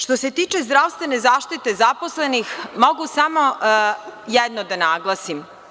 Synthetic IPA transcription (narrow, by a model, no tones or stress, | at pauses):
ʃt̪o̞se̞t̪iːt͡ʃezd̪ɾaʋst̪ʋenezaːʃt̪it̪e̞zaposlenixmo̞ɡusamo̞ | jɛd̪nod̪anaːɡlˠasim